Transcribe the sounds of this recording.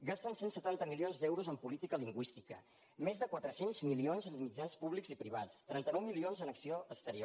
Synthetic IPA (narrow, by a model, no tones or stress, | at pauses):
ɡast̪ənsensət̪ant̪əmilionzd̪ɛwɾuzəmpulit̪ikəliŋɡwist̪ikə̰ | mezðəkwat̪ɾəsenzmilionzənmid͡ʒanspuβlikzipɾiβ̞at͡st̪ɾɛnt̪ənɔwmilionzənəksioəst̪əɾio